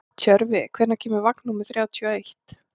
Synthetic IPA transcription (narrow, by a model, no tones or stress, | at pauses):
t̪ʰœɾvɪkʰvɛːɾnacʰɛːmɪɾvaknumɪθɾjaːwt̪ʰœejht̪